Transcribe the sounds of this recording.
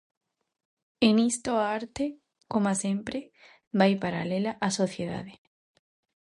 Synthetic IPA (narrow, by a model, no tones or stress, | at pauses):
enist̪oaaɾt̪e | komasempɾe | bajpaɾa̰lelaʔasoθjeða̰ðe